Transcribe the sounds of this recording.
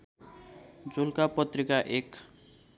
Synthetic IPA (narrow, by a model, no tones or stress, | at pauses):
d͡zulkapʌt̪ɾikaʔek